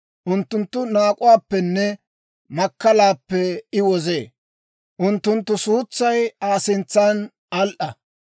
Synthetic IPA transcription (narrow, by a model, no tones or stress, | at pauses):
ʔʊnt̪ːʊnt̪ːʊnaːkʼʊwaːpːɛnːɛ | mɐkːɐlaːpːɛɪwɔzeː | ʔʊnt̪ːʊnt̪ːʊsuːt͡sːɐjaːsɪnt͡sːaːn | ɐlʔɐ